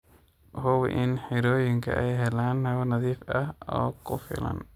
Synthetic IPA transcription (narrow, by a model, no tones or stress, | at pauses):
hʊw̰ʔɪnħɪɾoːjɪŋkʰɐ̰ʔɛjɦɛlaːnhɐβɐnɐðiːfɐhɔ̰ːkʰʊ̰fɪ̰lɐ̰n